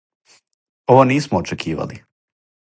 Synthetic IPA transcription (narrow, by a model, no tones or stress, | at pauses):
oʋaniːsmoːt͡ʃekʰiːʋa̰li